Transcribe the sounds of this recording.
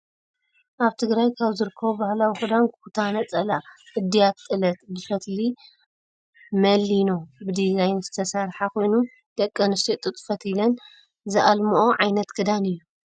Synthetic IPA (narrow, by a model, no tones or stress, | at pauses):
ʔaβt̪ʰɨɡɾajkʰaβzɨɾɨkʰːɐβobahlawihɨd̪ankut̪ʰanɐt͡sʼɐlaʔɨd̪ːijat̪t̪ʼɨlɐt̪bɨfɐt̪li | mɐlːinobɨd̪izajnzɨt̪ʰɐsaɾħako̞jnu | d̪̥ɐkʼːɐnɨst̪ʰit̪ʼɨt̪ʼfɐt̪ilɐn | zɨʔalmuʔoʕajnɐt̪ɡʰɨd̪anɨjːu